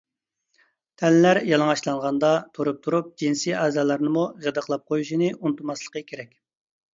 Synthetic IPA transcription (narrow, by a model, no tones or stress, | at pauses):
t̪ʰɛnlæɾjɑlˠəŋɑʃlˠɑɴʁɑnd̪ɑt̪ʰoɾup̚t̪ʰuɾup̚d͡ʒinsiɛːzɑːlˠɑɾnɨmuʁəd̪əqʰlˠɑp̚qʰojuʃinɨunt̪umɑslˠə̥qəkʲʰeɾɛkʲ